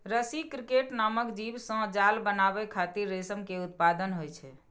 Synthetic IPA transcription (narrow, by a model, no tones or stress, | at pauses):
ɾəsikɾikeʈnaməkd͡ʒibsə̃d͡ʒalbənabɛkʰat̪iɾːesəmkeut̪pad̪ənɦojt͡ʃʰɛ